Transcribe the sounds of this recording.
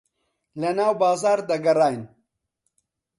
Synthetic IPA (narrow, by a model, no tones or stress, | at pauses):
lɐnaːwbaːzaːɾd̪ɐɡɐɾaːjn